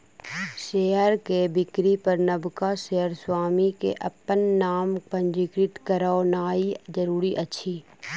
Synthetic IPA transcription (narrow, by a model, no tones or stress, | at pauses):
ʃeːəɾkebɪkɾipəɾnəbkaʃeːəɾswaːmikḛʔɐpːənːaːmpə̃nd͡ʒɪkɾɪt̪kəɾaːonaːid͡ʒəɾuːɾiʔɐtːʃʰiː